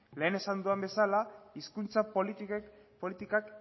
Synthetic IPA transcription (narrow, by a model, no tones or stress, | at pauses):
le̞ːne̞sand̪uambe̞salaiskunt͡sap | polit̪ikak